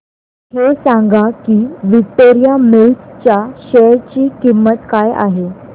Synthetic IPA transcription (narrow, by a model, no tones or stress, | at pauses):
hesãŋɡakiːʋik̚t̪ːoɾijamelʈt͡ɕjaɕeɾt͡ɕiːkimːət̪kaja̰ɦe